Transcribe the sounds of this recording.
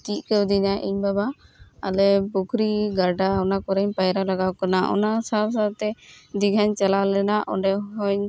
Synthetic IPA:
k̪iʔ̚kɛwd̪iɲaʔḭɲbabaa̰lɛpukʰɾiɡaɖaɔnakɔɾɛɲpajɾalaɡawkanaʔɔ̰nasaɾsat̪ɛd̪iɡʱaɲt͡ʃalalɛnaʔɔ̰ɳɖɛɦɔɲ

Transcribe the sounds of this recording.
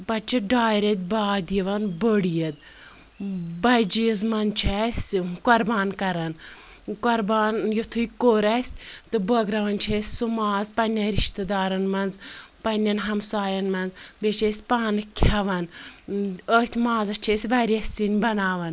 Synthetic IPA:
pɐt͡ʃʰiɖaːjɾet̪̚ʲbaːd̪jiʋɐnbəɽijɐd̪̚ | bɐd͡ʒizmɐnt͡ʃʰɐsʲkɔɾbaːnkɐɾɐn | kɔɾbaːnjut̪ʰuikoːɾɐsʲt̪ɨbɐɡɾɐʋɐnt͡ʃʰesʲsumaːzpɐnʲːɐnɾiʃt̪ɐd̪aːɾɐnmɐnzpɐnʲːɐnɦɐmsaːjɐnmɐnzbet͡ʃʰesʲpaːnɨkʲʰɐʋɐn | ət̪ʲʰmaːzɐt͡ʃʰesʲʋɐɾiɐsʲinʲbɐnaːʋɐn

